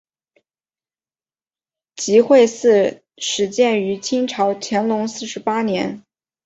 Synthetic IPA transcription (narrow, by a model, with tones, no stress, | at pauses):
t͡ɕi˧˥xwe˥˧ɪsɹ̩˥˩ | ʂɻ̩˧˥t͡ɕjɛ˥˩ny˧˥t͡ɕʰi˥ŋʈ͡ʂʰɑ˧˥ʊt͡ɕʰjɛ˧˥nlʊ˧˥ŋsɹ̩˥˩ʂɻ̩˧˥pa˥njɛ̰˧˥n